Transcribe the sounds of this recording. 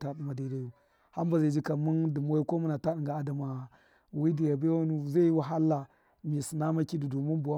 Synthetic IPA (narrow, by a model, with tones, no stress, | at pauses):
ta˦ɗi˦ma˨da˨i˨da˦ju˨ | ha˦m˦ba˨za˨d͡ʒi˦ka˨mu˦ndu˨m˦o˦i˦ko˦mu˦na˨ta˦ɗi˨ŋɡa˨a˦da˨ma˨ | wi˦di˨ja˨ba˦wa˦nu˦˨za˦wa˨ɦa˦lːa˨ | mi˨si˨na˦ma˦ki˦du˨du˨mi˦nbu˨wa˦